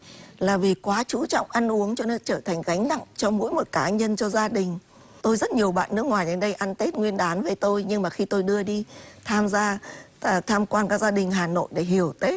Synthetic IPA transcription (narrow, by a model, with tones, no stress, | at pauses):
laː˨˩vi˨˩kwaː˨˦t͡ɕu˧˦t͡ɕɔ̰˧˨wŋ͡mʔa˧nʔu˨˦əŋt͡ɕɔ˧nɨ˦˥k̚t͡ɕəː˧˩t̪ʰa˨˩ŋ̟ɣa˨˦jŋ̟na̰˧˨ŋt͡ɕɔ˧mo̰˧˥jmo˨˩t̚kaː˨˦ɲə˧nt͡ɕɔ˧zaː˧ɗï˨˩ŋ̟ | t̪o˧jzə˦˥t̚ɲi˨˩əwɓa̰ː˧˨nːɨ˦˥ək̚ŋwaː˨˩jɗe˨˦nɗə˧jʔa˧nt̪e˦˥t̚ŋwi˧ənɗaː˨˦nve˨˩˦jt̪o˧jɲɨ˧ŋmaː˨˩xi˧t̪o˧jɗɨ˧əɗi˧t̪ʰaː˧mzaː˧˨ | t̪ʰaː˧mkwaː˧nkaː˦˥k̚zaː˧ɗï˨˩ŋ̟ɦaː˨˩no̰˧˨jɗe˧˩ɦi˧˩əwt̪e˦˥t̚